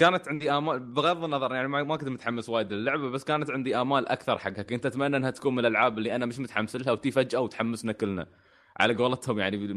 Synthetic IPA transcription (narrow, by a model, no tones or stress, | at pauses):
kaːnat̪ʕɪnd̪iʔaːmaːlbɪɣɑðˤːɨnːɑðˤɑɾˤjaʕnimamakɪnt̪mʊt̪ħamːɪswaːjɪd̪ɪlːʊʕbabasːkaːnat̪ʕɪnd̪iʔaːmaːlʔa̰kθɑɾˤħaɡːhakʔɪnt̪at̪manːʔɪnhat̪ḁkuːnmɪnlʔalʕaːbɪlːiʔanːamɪʃmʊt̪ħamːsɪlhawt̪ifad͡ʒawt̪ħamːɪsnakɪlːna̰ | ʕa̰laɡoːlɑt̪hʊmjaʕni